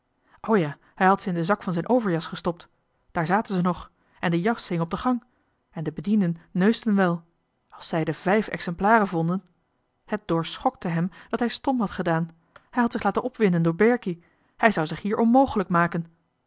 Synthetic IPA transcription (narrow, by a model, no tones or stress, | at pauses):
ʔowjaː | hɛjɦɑtsəɪndəzɑkfɑnzɛjnʔowvəɹjɑsχəstɔp̚t | d̥aːɹzaːtənzənɔχ | ɛndəjɑχshɪŋəɔb̚dəχɑŋ | ɛndəbədindənːøɥstənʋɛlˠ | ɑlˠsɛjdəvɛjfɛ̰ksɛmplaːrəvɔndən | hət̚d̥ʊːɹsχɔk̚təɦɛmd̥ɑtɦɛjstɔmɦɑtχədaːn | hɛjɦɑtsɪχlaːtənʔɔpʋɪndəndʊːɹbɛɹki | hɛjzɑwzɪχɦiːɹʔɔnmowχələkmaːkən